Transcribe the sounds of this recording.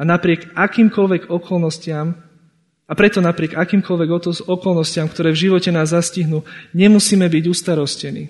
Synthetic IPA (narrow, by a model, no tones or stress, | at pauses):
anapɾɪɛɡakiːmkɔlʋɛɡɔkɔlnɔscɪam | apɾɛt̪ɔnapɾɪɛɡakiːmkɔlʋɛɡɔɔkɔlnɔscɪamkt̪ɔɾɛːvʒiʋɔcɛnaːzːasciɦnuɲɛmusiːmɛbiɟust̪aɾɔscɛnḭː